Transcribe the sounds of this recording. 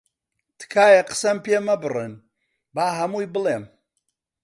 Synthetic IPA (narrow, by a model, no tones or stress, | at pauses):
t̪ʰɨ̥kʰaːjɐqə̥sɐmpʰemɐbɨrɨ̰n | baːɦɐmuːjbɨleːm